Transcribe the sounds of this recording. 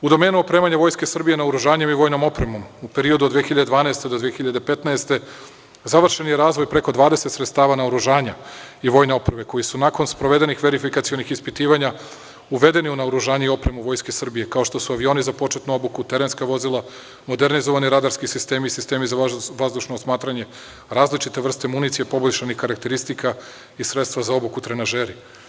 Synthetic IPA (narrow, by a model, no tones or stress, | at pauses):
ud̪o̞me̞ːnuo̞pɾemaɲaʋo̞jske̞sr̩bije̞naoɾuʒaːɲe̞miʋo̞ːjno̞mo̞pɾe̞mo̞mupe̞ɾiod̪ud̪ʋexiʎad̪ed̪ʋaːnaest̪e̞d̪od̪ʋiexiʎad̪epe̞t̪naest̪e̞ | zaʋr̩ʃenjeɾaːzʋojpɾe̞ko̞d̪ʋaːd̪eset̪sɾet̪st̪aːʋanaoɾuʒaːɲaiʋo̞ːjne̞o̞pɾebe̞ko̞jisunako̞nspɾo̞ʋe̞d̪enixʋe̞ɾifikat̪sio̞nixispit̪iːʋaɲa | uʋe̞d̪e̞niunaoɾuʒaːɲeio̞pɾe̞muʋo̞jskesr̩bije̞kao̞ʃt̪o̞suaʋio̞nizapo̞t͡ʃet̪nuo̞bukut̪e̞ɾe̞nskaʋo̞zilˠa | mo̞d̪eɾnizo̞ʋaniɾad̪aɾskisist̪e̞miisist̪e̞ːmizaʋazd̪uʃnoːsmaːt̪ɾaɲe̞ | ɾaːzlit͡ʃit̪eʋr̩st̪e̞munit̪sijepo̞boʎʲʃanixkaɾakt̪e̞ɾist̪ikʰa | isɾet̪st̪ʋazao̞bukut̪ɾenaʒeːɾi